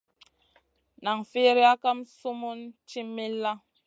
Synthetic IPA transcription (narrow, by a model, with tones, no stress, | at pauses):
na˨ŋfi˦ɾi˦a˦ka˦msu˦mu˦nt͡ʃi˦mi˦lːa˦